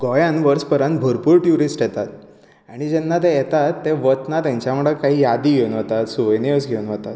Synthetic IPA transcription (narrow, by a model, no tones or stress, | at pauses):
ɡɔjãnʋəɾspəɾə̃nt̪̚bʱəɾpuːɾʈjuɾisʈjɛt̪at̪̚ | aɽ̃id͡ʑɛnːat̪̬ejɛt̪at̪ːeʋət̪nat̪jãɲt͡ɕjamuɽəkaɦiːjad̪iːɡʱewnət̪at̪suʋəjnjəsɡʱeunʋət̪at̪